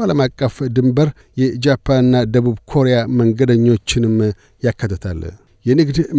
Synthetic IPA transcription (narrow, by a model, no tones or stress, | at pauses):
aləmakʼːəfd̪ɨmbəɾ | jɛd͡ʒapʰːanɨnːad̪əβuβkʰo̞ɾejaməŋɡəd̪əɲːo̞t͡ʃːɪnɨm | jakːət̪ʰːət̪ʰa̰l | jɛnɨɡd̪